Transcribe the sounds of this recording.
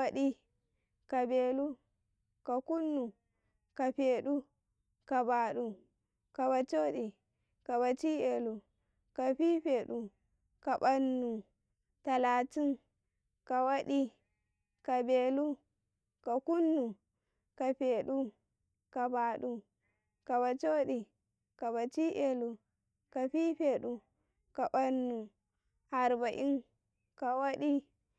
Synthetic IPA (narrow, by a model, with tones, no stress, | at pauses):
a˦ɗi˦ | ka˨be˨lu˦ | ka˨ku˦nːu˨ | ka˨ɸe˨ɗu˦ | ka˨ba˨ɗu˨ | ka˨ba˨t͡ʃo˦ɗi˨ | ka˨ba˨t͡ʃi˦je˨lu˨ | ka˨ɸi˦ɸeː˨ɗu˨ | ka˨ba˦nːu˨ | ta˨la˨ti˦n | ka˨wa˦ɗi˦ | ka˨be˨lu˦ | ka˨ku˦nːu˨ | ka˨ɸe˨ɗu˦ | ka˨ba˨ɗu˦ | ka˨ba˨t͡ʃo˦ɗi˨ | ka˨ba˨t͡ʃi˦ʔe˨lu˨ | ka˨ɸi˦ɸe˨ɗu˨ | ka˨ba˦nːu˨ | a˨ɾba˨ʔi˦n | ka˨wa˦ɗi˦